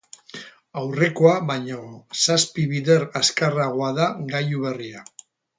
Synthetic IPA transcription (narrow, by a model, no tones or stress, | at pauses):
awre̞koaβaɲosaspiβiðe̞ɾaskaraɣ̞o̞aðaɣajuβeria